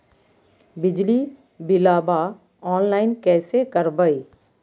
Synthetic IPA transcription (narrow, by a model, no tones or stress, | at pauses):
bɪd͡ʒli | bɪlaːba | ɔːnlaːɪnkɛːsekɐɾbəi